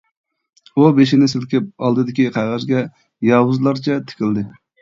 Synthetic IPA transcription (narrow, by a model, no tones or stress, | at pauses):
ubeʃinɪsɪlkʲɪp̚ɑlˠd̪ɨd̪ɪkʲiqʰæʁæzɡʲɛ | jɑːwuzlˠɑɾt͡ʃʰɛt̪ʰɪ̥kʲɪld̪ɪ